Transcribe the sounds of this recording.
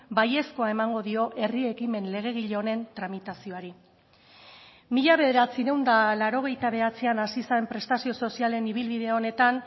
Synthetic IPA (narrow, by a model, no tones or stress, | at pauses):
baje̞sko̞ae̞maŋɡo̞ðio̞ʔe̞rie̞kime̞nle̞ɣ̞e̞ɣ̞iʎeone̞nt̪ɾamit̪asio̞aɾi | miʎaβ̞e̞ðe̞ɾat͡siɾe̞wnd̪alaɾo̞ɣ̞e̞jt̪aβ̞e̞at͡sianasisaempɾe̞st̪asio̞so̞siale̞niβ̞ilβiðeo̞ne̞t̪an